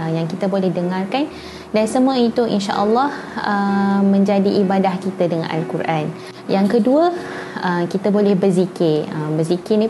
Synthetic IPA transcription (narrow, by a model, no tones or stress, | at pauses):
jaŋkit̪abolɛhdəŋarkan | dansəmũait̪uʔḭnʃa̰ʔəlːɑh | əmə̃ɲd͡ʒadiʔibadahkit̪adəŋã̰nʔa̰lkuɾʔan | jaŋkəduəəmkit̪abolɛhbərzikɪəmbərzikɪni